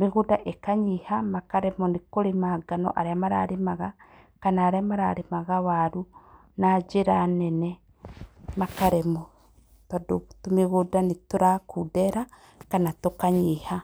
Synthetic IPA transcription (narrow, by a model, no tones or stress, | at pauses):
miɣudaʔekaɲihamakaɾemonikoɾimaɡano̰ʔa̰ɾjamaɾa̰ɾimaɣa | kanaɾjamaɾaɾimaɣawaɾu | nad͡ʒiɾanene | makaɾemo | tadutumiɣudanituɾakʰudeɾa | kanatokaɲiha